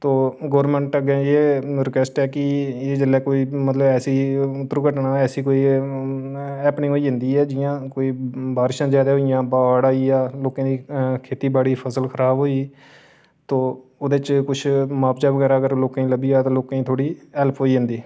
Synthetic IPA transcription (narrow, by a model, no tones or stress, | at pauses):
t̪oːɡoːɾmɛ̃ːɳʈəɡɛ̃ːeːɾɪkɛsʈɛːkɪeːd͡ʒəlɛːkoːiːmət̪ləbɛːsiːt̪ɾukəʈnãːɛːsiːkoːiː | ɛːpnɪ̃ŋɡɦoːiːɪ̃nd̪iːɛːd͡ʒɪjãːkoːiːbaːɾʃãːzjaːd̪aːɦoːijãːbaːɽaːiːjaːloːkãːd̪iːkʰeːt̪iːbaːɽiːpʰəsəlkʰəɾaːbɦoːiː | t̪oːʊd̪eːt͡ʃkʊt͡ʃʰmaːpd͡ʒaːʋəɡɛːɾaːəɡəɾloːkãːĩːləbiːaːt̪ːloːkãĩːt̪ʰoːɽiːɛlpʰɦoːiːɦə̃nd̪iː